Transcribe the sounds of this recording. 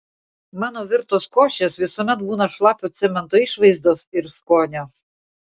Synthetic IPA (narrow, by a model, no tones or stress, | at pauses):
mɑːnoːʋʲɪɾt̪oːskoːʃʲesʋʲɪsoːmʲɛt̪buːnɐʃlˠɑːpʲoːt̪sʲɪmʲɛnt̪oːiːʃʋɐɪzd̪oːsɪɾskoːnʲoː